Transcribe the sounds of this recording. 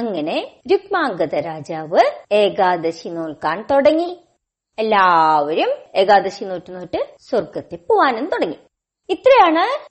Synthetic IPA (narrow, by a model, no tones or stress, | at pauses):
ɐŋːɐne̞ɾukmaːŋɡɐðɐɾaːd͡ʑaːʋɨeːɡaːd̪ɐɕinoːɭkaːɳt̪oɽɐŋːi | elːaːʋɐɾume̞ːɡaːd̪ɐɕinoːtːunːoːʈːɨswɐrɡɐt̪ːepːoʋaːnenːɨt̪oɽɐŋːi | it̪ːrɐjaːɳɨ